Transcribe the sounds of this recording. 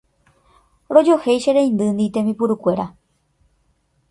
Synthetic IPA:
ɾo̞d͡ʒohejʃeɾẽj̃nd̪ɨnd̪it̪ẽmĩpuɾukʷe̞ɾa

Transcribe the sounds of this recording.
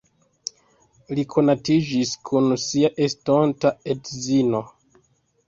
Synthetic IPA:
likʰo̞natid͡ʒiskʰunsiaʔe̞stontae̞tzino̞

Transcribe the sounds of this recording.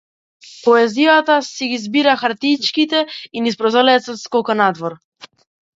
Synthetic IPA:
pɔɛzijat̪asɛɡizbiɾaxaɾt̪it͡ʃkit̪ɛinispɾɔzɔlɛt̪sɔt̪skɔkanad̪vɔɾ

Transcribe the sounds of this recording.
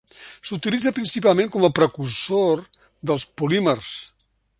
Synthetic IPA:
sut̪ilid͡zəpɾinsipalˠmẽŋkɔməpɾəkursor | d̪əlˠspulimərs

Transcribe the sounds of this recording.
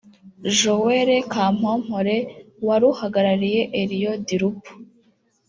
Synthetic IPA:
ʒoweɾekaːm̥om̥hoɾewaɾuhaɡaɾaɾije̞ʔeɾijodiɾupu̥

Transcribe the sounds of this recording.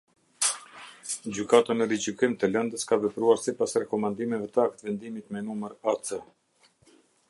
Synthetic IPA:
d͡ʑykat̪anəɾid͡ʑykimt̪əlɛnd̪əskavɛpɾuaɾsipasɾɛkɔmand̪imɛvɛt̪əak̚t̪vɛnd̪imit̪mɛnuməɾat͡sə

